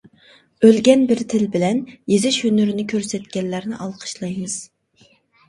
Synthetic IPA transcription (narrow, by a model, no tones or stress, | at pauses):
ølɡʲɛnbɪɾt̪ʰɪlbɪlɛnjezɪʃhønyɾɪnɪkʲʰøɾsɛt̪kʲɛnlːæɾnɪʔɑlˠqʰə̥ʃlˠɑjmɨz̥